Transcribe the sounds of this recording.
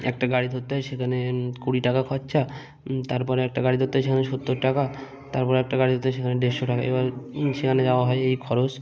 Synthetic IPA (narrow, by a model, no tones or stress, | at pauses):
ɛ̰k̚ʈaɡaɽid̪ʱot̪ːɦɔjʃekʰanekuɽiʈakakʰɔtːɕʰa | t̪aɾpɔɾeɛk̚ʈaɡaɽid̪ʱot̪ːjʃekʰaneʃot̪ːoɾʈaka | t̪aɾpɔɾeɛk̚ʈaɡaɾid̪ʱot̪ːʃ̬ekʰaneɖeʃoʈaka̰ḛbaɾʃekʰaned͡ʑaoaɦɔeejkʰɔɾot͡ɕ